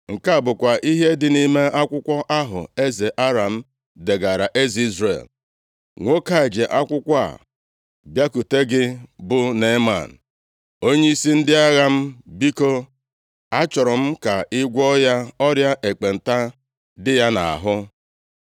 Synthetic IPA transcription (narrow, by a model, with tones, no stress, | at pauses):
ŋ̩˨ka˦a˨bʊ˨kʷa˨ʔi˦ɦe˦dɪ˨ni˦me˦ʔa˦kʷʊ˦kʷɔ˦ʔa˦ɦʊ̰˨e˦ze˨ʔa˦ɾa˨m̩˦ | de˨ɡa˨ɾa˨ʔe˦zi˦zɾḛ˨l | ŋʷo˦ka˦e˨d͡ʒe˨ʔa˦kʷʊ˦kʷa̰˦˨ | bja˦ku˨te˦ɡɪ˦bʊ˦ne˨˦ma̰˨n̩˨ | o˦ɲe˦i˦si˦n̩˦dɪ˦a˦ɣa˦m̩˦bi˦ko˦ | a˦t͡ʃɔ˨ɾɔ˨m̩˦ka˨ʔɪ˦ɡʷɔ˦ja˦ɔ˦ɾja˦ʔe˨k͡pe˨n̩˨ta˦ | dɪ˦ja˦na̰˨a̰˨ɦʊ˦